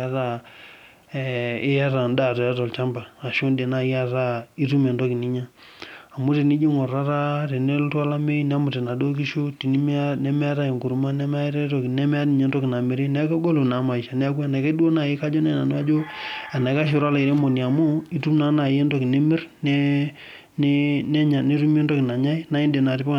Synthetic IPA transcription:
a˦ta˨ | ɪ˦ja˦ta˨nda˨tɔ˨ja˦tɔ˨lt͡ʃa˦mba˨a˨ʃo˦nde˨na˨i˦a˦˨ta˦i˦tu˦me˨ntɔ˦ki˨ni˦ɲa˦ | a˨mu˦te˨ni˦d͡ʒi˦ŋɔ˨ra˦ta˦te˨ne˦ltwa˦la˦me˦nɛ˦a˦mu˨te˨na˨do˦k̬i˦ʃo˦ti˨ni˦nɛ˦mɛ˦a˦ta˦ji˨ŋku˨ɾu˨˦ma˦nɛ˦m˦a˦ɾe˦tɔ˨knɛ˦m˦a˦ni˨ɲɛ˦ndɔ˦ki˨na˨me˨ɾe˦nɛ˦a˦ka˦ɡo˦lo˨na˨˦ma˨i˨ʃa˨nɛ˦a˦k̬u˦a˦na˨ke˦du˦o˦na˨ji˦ka˦d͡ʒo˦nɛ˦na˨nu˦a˦d͡ʒo˦a˨na˨ka˦ʃ̬o˨ɾa˦la˨i˨ɾe˦mo˨ni˨a˨mo˦i˦tu˦mna˦na˨je˦ndɔ˦ki˨ne˦mɪ˦ɾnɛ˦ | ne˦nɛ˦ɲa˨ne˦tu˦m˦e˦ndɔ˦ki˨na˨ɲa˦i˦na˦i˦nde˨na˨ti˦pa˦

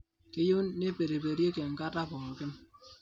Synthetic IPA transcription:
ke˦ju˦nːe˦pe˨ɾe˨pe˨ɾje˦ke˨ŋ̩˨ka˦ta˦pɔ˨kɪ˦n

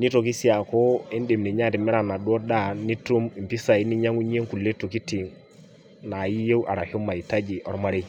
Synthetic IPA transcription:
ni˦to˨ki˦si˦a˨ko˦i˦nde˨mni˨ɲa˦ti˨mɪ˦ɾa˨na˨dwɔ˦da˦ni˦tu˦mi˨m˨pi˦sa˨i˦ni˦ɲa˦ŋu˦ɲ˦e˦ŋku˨lːe˦to˨ki˦ti˨ŋ | na˨ji˦je˦wʔa˨ɾa˨hɔ˦ma˨i˨ta˦d͡ʒi˨ʔɔ˦ɾma˦ɾe˦

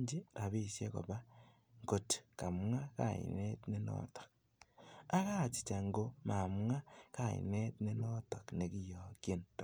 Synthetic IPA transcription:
ɲd͡ʒe˦ɾʔa˨βesje˦ko̰˨βa˦ | ŋɡo˨te̥ka˨mŋa˦ka̰˨ḭ˨ne˦tne˦no̰to̥k | a˦ɣa˦t͡ʃi̥˨t͡ʃa˨ŋɡo˦ma˨mŋa˦kaḭ˨ne˦tne˦no˦to˨kne˨ki˦joke˦nt

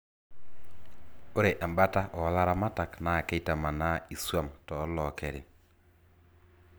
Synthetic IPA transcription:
o˦ɾe˨ʔa˨mba˦ta˦ʔɔ˨ɔ˦la˦ɾa˦ma˦ta˨kna˨ke˦ta˨ma˨na˦i˨swa˦mtɔː˨˦lɔ˨kɛ˨ɾɪ̰˨

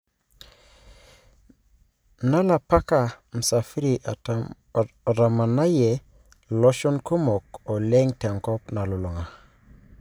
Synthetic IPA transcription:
na˦la˨pa˦ka˨m̩˨sa˨fi˦ɾi˨ʔa˨ | ɾa˨ma˨na˦je˨ | lɔ˦ʃo˦nku˦mɔ˨ko˨lɛ˦ŋte˨ŋkɔ˦pna˨lu˨lo˨ŋa˨

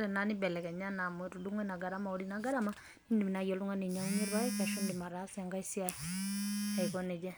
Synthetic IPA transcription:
ɾɛna˨ni˦bɛ˨lɛ˨kɛ˨ɲa˦na˨mwɛ˨ɾu˨du˦ŋwɛ˦na˨ɡa˨ɾa˦ma˨ɔ˦ɾinaɡa˦ɾama | ni˦ndi˨mi˨na˨˦ɣjɔ˨lu˦ŋa˦nɛ˨ɲa˨u˦ɲi˦ɾwa˦ika˨ʃu˦ndima˨ɾasia˨ŋɡa˦isi˦a | a˨ikɔnɛ˨da˦

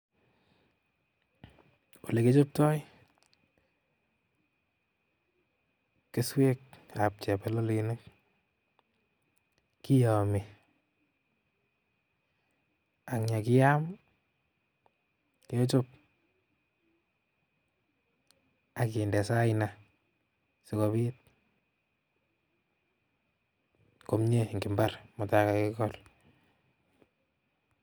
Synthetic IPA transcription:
o˨le˨ke˦t͡ʃo˦p̚tɔ˦j | ke˦swe˦ka˨p̚t͡ʃɛ˨pɛ˦lo˦li˨ne˦k̚ | ki˦jɔ˨mi˨ | a˨ŋɲa˨kɪ˦ja˦m | kt͡ʃo˦p̚ | a˨ki˨ndɛ˨sa˦ina | sɪkɔ˨βi˦t̚ | ko˨mɲe˦ŋɡi˨mba˦rmʊ˨ta˦kaki˦kɔl

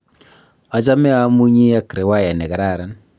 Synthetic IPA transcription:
a˨t͡ʃa˦mɛ˦a˦mu˦ɲi˦ja˦kɾe˨wa˦˨ja˨nɛ˨ka˨ɾa˦˨ɾa˨˦n

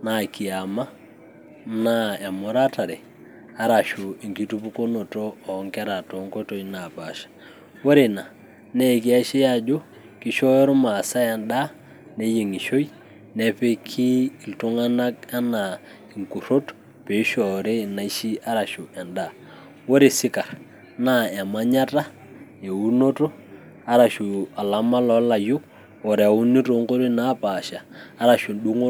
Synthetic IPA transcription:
na˨ki˨a˨ma˦ | na˦a˨mo˦ɾa˦ta˨ɾɛ˨ | a˨ɾa˨ʃu˨i˨ŋki˦tu˦pu˦ko˦no˨toː˦˨˦ŋka˦ɾa˨to˨˦ŋko˦to˨i˦na˨pa˨ʃḁ˨ | wo˦ɾe˨na˨ | nɛ˦˨ki˦a˦ʃi˦ja˦d͡ʒo˦ | ki˦ʃɔ˦ɾma˨sa˦ja˨nda˦ | ne˦je˨ŋi˨ʃo˦j | nɛ˨pe˦kʰiː˦˨ltu˦ŋa˦na˦ka˦na˨ | ɪ˨ŋku˨ɾo˦t | pe˨˦ʃɔ˨ɾe˦˨na˨˦i˦ʃi˦a˦ɾa˨ʃu˨ɛ˨nda˨ | wo˦ɾe˨sɪ˦ka˨ɾ | na˦˨a˨ma˦ɲa˦ta˦ | je˨u˦no˦to˦ | a˦ɾa˨ʃu˨a˨la˨˦ma˦lɔ˦la˨jo˦ | ɔ˨ɾɛ˨a˨u˦ni˦to˨˦ŋko˦ɾi˦na˦pa˨ʃaː˨˦ɾa˨ʃʊ˨ɗu˦ŋo˦

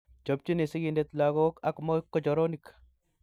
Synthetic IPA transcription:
d͡ʒo˨p̚t͡ʃi˦ne˨si˦ɡi˨nde˦t̪laɡɔ˦ka˨kmɔkːɔ˦d͡ʒɔ˨ɾɔnik

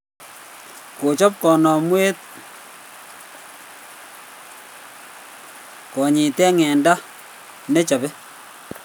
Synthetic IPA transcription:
ko˨t͡ʃɔ˦p̚kɔ˨nɔ˨mwe˦t̚ | kɔ˨ɲɪ˨tɛ˦ŋɛ˨nda˦ | ne˦t͡ʃa˨bɛ˦

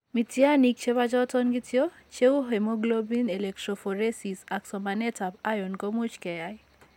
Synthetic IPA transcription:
mi˨tje˦a˦ni˨k̚t͡ʃe˦ba˦d͡ʒɔ˦tɔ˦nɡi˦tjo˦ | t͡ʃe˦u˦ɦe˨mo˦ɡlo˦bi˦ne˨lɛ˨k̚tɾɔ˨fɔ˨ɾe˦si˨sa˨ksɔ˨ma˨nɛ˦ta˨ba˦jɔ˨nko˦mu˦t͡ʃkɛ˨ja˦j

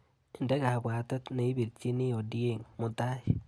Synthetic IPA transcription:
e˨nde˦ɣa˨βwaː˨to˦tne˨i˦βi˨ɾt͡ʃi˦ni˦o˨di˦e˦ŋmo˨ta˦i

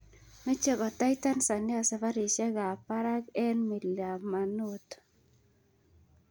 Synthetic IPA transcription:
me˦t͡ʃe˦˨ɡɔ˨ta˦jta˦nsa˨ni˦a˨sa˨fa˦ɾi˨ʃɛ˦ɡa˨pa˦ɾa˦kɛ˦nmi˨la˨ma˨no˦t

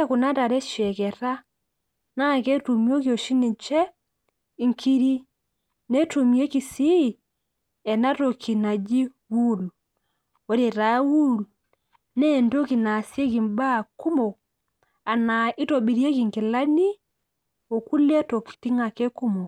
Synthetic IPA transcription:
e˦ku˨na˦ta˨ɾɛ˦ʃɛ˨kɛ˨ɾa˦ | na˦˨kɛ˦tu˨mi˦o˦ki˨o˨ʃi˦ni˨t͡ʃɛ˦ | i˨ŋkʰi˦ɾi˦ | ne˦tu˨mi˦e˦ki˨si˦˨ | ɛ˨na˦to˨kʰi˨na˨d͡ʒi˦ | wu˦˨l | wo˨˦ɾe˨ɾa˨˦wu˦l | nɛ˦˨ndo˦ki˨na˨si˦e˦ki˨mba˦˨ku˦mo˨ | a˨na˨i˦to˨bi˨ɾje˦ki˨ŋki˨la˦ni˦ | o˨ku˦le˦to˨ki̥˨ti˦ŋa˨kɛ˦ku˦mo˨

